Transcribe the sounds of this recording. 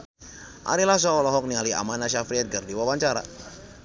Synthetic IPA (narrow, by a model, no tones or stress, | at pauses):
ʔa̰ɾilahs̬ɔɔlɔɦɔk̚nialia̰manaʃafɾiɛt̪̚ɡərdiwawaɲt͡ʃaɾa̰